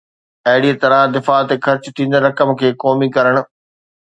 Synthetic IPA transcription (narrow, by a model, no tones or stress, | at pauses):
ɐɦɪɽiːet̪ɐɾãd̪ɪfaːt̪exɐɾt͡ɕt̪ʰĩːn̆d̪ɾɐkəmkʰeːkɔːmikɐɾəɽ̃ʊ̆